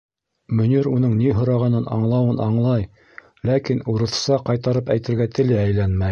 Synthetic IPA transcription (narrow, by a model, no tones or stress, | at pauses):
mɵ̆niɾunɤɴniɦŏɾɑʁɑnɤnɑ̰ɴlˠɑwɤnɑɴlˠɑj | lækinuɾɤ̆θsɑqɑjt̪ɑɾɤpæjt̪ɘ̆ɾɡæt̪ɘ̆lɘæjlænmæj